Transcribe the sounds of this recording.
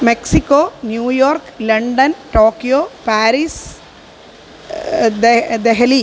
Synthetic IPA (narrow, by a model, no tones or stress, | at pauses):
meksikːoːnjuːjoːrklɐɳɖɐnʈoːkːijoːpaːɾis | d̪eɦɐli